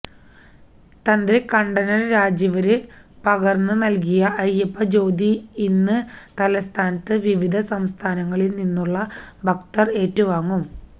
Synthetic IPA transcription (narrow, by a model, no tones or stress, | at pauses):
t̪ɐnd̪rikːɐɳɖɐnɐrɾaːd͡ʑɐʋɐɾɨpɐɣɐrnːɨnɐlk̬ijɐʔɐjːɐpːɐd͡ʑo̞ːd̪iinːɨt̪ɐlɐst̪ʰaːnɐt̪ːɨʋiʋid̪ʱɐsɐmst̪ʰaːnɐŋːɐɭilninːuɭːɐbʱɐkt̪ɐre̞ːtːuʋaːŋːum